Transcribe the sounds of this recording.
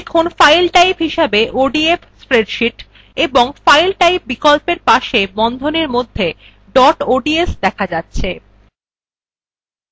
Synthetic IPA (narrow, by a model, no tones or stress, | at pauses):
kʰonfajlʈajpɦiʃebeʔoɖiefspɾeɖʃiʈ | eboŋfajlʈajp̚bikolpeɾpaʃebɔnd̪ʱoneɾmod̪ʱːe | ɖɔʈoɖiesd̪ɛkʰad͡ʑatːɕʰe